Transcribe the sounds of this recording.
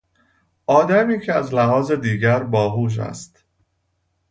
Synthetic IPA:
ʔɒːd̪æmiːcʰeæzlæɦɒːze̞d̪iːɟæɾbɒːɦuːʃ̬æ̰st̪

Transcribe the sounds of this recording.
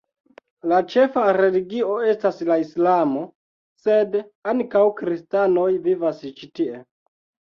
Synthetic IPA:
lat͡ʃe̞faɾe̞liɡio̞e̞staslaislamo̞ | se̞daŋkawkɾistano̞jvivast͡ʃitie̞

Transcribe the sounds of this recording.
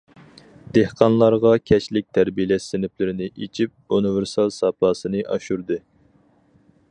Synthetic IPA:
d̪ehqʰɑnlˠɑɾʁɑkʲʰɛt͡ʃlɪk̚ʲt̪ʰæɾbijlɛsːɪnɪplɪɾɪnɪʔet͡ʃʰip̚univeɾsɑlˠsɑpʰɑːsɨnɨʔɑʃuɾd̪ɨ

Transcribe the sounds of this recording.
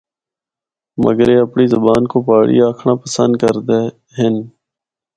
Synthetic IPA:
mə̰ɡəɾeːəpɳiːzəbaːnkoːpaːɽḭːaːkʰɳãːpəsə̰̃nd̪̚kəɾd̪eː | ɦɪn

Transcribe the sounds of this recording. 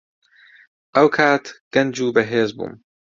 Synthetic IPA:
ʔɐwkʰaːt̪ɡ̥ɐnd͡ʒuːbɐɦeːzbṵːm

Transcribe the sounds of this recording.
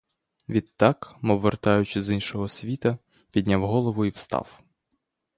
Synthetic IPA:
ʋʲid̪ːɑkmɔʋːert̪ɑjʊt͡ʃɪzinʃɔɦɔsʲʋʲit̪ɐ | pʲid̪ʲnʲawɦɔlˠɔʋʊiwst̪ɑ̰w

